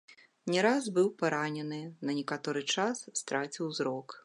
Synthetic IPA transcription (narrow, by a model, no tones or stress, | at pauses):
nʲɛɾazbɨwpaɾanʲɛnɨnɐnʲɛkat̪ɔɾɨt͡ʂasst̪ɾat͡sʲiwzɾɔk